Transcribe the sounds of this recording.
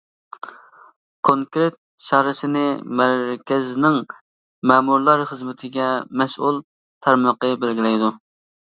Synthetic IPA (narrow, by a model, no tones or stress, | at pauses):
kʰoŋkɾet̪̚ʃɑhɾɨsɪnɪmæɾkʲʰɛznɪŋ | mɛːmuɾlˠɑɾχəzmɪt̪ʰɪɡʲɛmɛsṵlˠ | t̪ʰæɾmɑqəbɪlɡʲilɛjd̪u